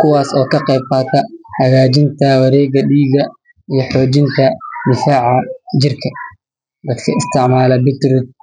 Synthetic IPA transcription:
kʰʊwɑːsɔːkʰɐqɛjb̚qɑːt̪ʰɐhɐɣaːt͡ʃɪnt̪ʰɐwɑɾɛːɣɐɖiːɣɐ | ijɞħɔːt͡ʃɪnt̪ʰɐd̪ɪfaːʕɑd͡ʒɪrkʰɐ | d̪ɐd̪kʰɐɪst̪ʰɪʕmaːlɐbɪt̪ɾʊt̪̚

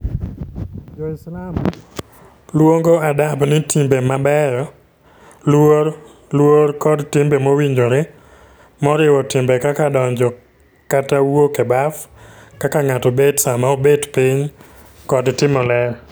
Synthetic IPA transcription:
d͡ʒɔɪslam | lwoŋɡoadabnɪtimbemabɛɾɔ | lwo | lwoɾkɔdtɪmbemowiɲd͡ʒoɾe | mɔɾɪwɔtɪmbekakadɔɲd͡ʒɔ | katawokebafkakaŋatɔbedsamaobedpɪɲ | kɔdtɪmɔlɛɾ

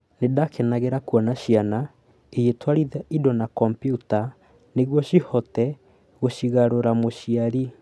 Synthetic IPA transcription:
nedakɛnaɣeɾakuɔnaɕiana | ejetwaɾiðɛidɔnakɔmpjuta | neɣwɔɕihɔtɛ | ɣoɕiɣaɾoɾamoɕiaɾi

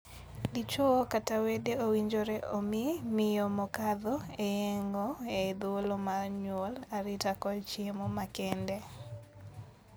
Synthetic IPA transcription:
lit͡ʃokatawedeowiɲd͡ʒoɾɛʔomɪmɪjɔmɔkaðɔeɛŋɡɔed̪wolomarɲwolaɾɪtakɔt͡ʃemomakɛndɛ

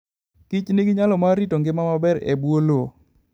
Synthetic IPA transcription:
kɪt͡ʃnɪɡɪɲalɔmaɾitoŋɡɪmamabɛɾḛbwolo

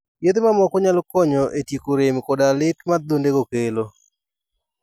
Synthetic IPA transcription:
jed̪mamɔkɔɲalkɔɲɔʔetjikoɾemkɔdalɪkmad̪ondeɡokelo

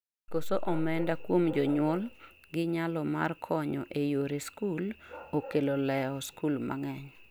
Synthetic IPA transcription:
kosoʔɔmɛndakwomd͡ʒɔɲwɔl | ɡɪɲalɔma̰rkʰɔɲɔ̰ʔejoɾeskulokelolɛɔskulma̰ŋɛɲ

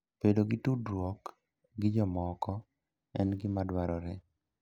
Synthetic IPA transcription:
pedoɡɪtudɾwɔk | ɡɪd͡ʒɔmɔkɔ | ɛnɡɪmadwaɾɔɾɛ

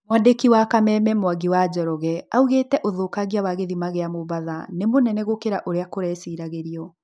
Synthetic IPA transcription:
mwadekiwakamɛmɛmwaɡiwad͡ʒɔɾɔɣɛauɣetɛʔoðoːkaɣiawaɣeðimaɣeamoβaðanemonɛnɛɣokeɾaʔoɾeakoɾɛːsiːɾaɣeɾiɔ

